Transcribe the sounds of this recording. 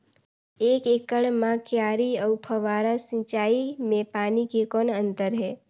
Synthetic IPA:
eːkekəɽmãkjaːɾiəʊpʰəʋaːɾasĩt͡ʃaːimẽpaːnikekɔːnə̃nt̪əɾɦɛː

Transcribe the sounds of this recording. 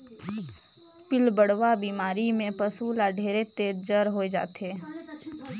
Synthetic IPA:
pɪlbəɽʋabiːmaːɾimẽpəsulaːɖʱeːɾet̪eːd͡ʒəɾɦoed͡ʒa̰ːt̪eː

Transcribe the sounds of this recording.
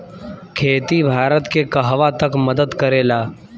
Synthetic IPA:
kʰeːt̪ibʱaːɾət̪kekɐɦʋat̪əkməd̪əd̪kəɾeːlaː

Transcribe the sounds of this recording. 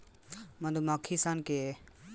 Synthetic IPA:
mɐd̪umakʰisanke

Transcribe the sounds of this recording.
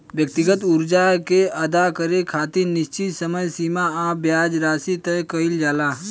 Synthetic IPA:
bjək̚t̪ɪɡət̪ʊɾd͡ʒakeɐd̪akəɾekʰaːt̪inɪʃt͡ʃɪt̪səməjsiːmaaːbjaːd͡ʒɾaːsit̪ekəɪld͡ʒaːlaː

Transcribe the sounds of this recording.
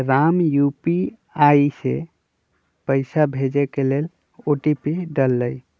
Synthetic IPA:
ɾamjupi | aisḛ | pəɪsabʱed͡ʒekelel | oʈipiɖəlːəj

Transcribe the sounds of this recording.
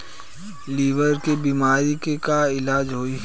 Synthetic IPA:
liːʋəɾkebiːmaːɾikekaɪlaːd͡ʒɦoːi

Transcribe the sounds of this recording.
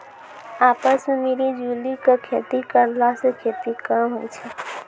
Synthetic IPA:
apəsmemeɾid͡ʒulikəkʰet̪ikəɾlasẽkʰet̪ikəmɦojt͡ʃʰɛ

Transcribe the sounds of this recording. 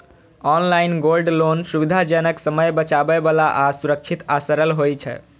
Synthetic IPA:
ɔnlainɡolɖlonsubid̪ʱad͡ʒənəksəməjbət͡ʃabɛbalaʔasuɾək̚t͡ʃʰit̪asəɾəlɦojt͡ʃʰɛ̰

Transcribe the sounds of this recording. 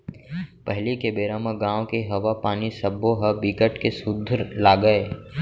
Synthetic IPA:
pɛɦlikebeːɾaːmãɡãːõkeɦɐʋapaːnisɐbːõɦɐbiɡəʈkesʊd̪ʱəɾlaːɡəeː

